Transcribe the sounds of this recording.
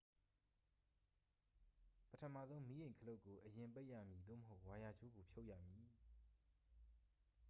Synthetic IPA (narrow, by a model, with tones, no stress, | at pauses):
pətʰə˨ma̰˦˨zõ˦ʊ̃mi˦jẽ˨ɪ̃ŋkʰəlo˦ʊʔkːo˨ʔəjɪ̃˨mpe˦ɪʔjä̰˦˨mji˨d̪o̰˦˨məɦo˦ʊʔwa˨ja˨d͡ʑo˦ɡo˨pʰjo˦ʊʔja̰˦˨mji˨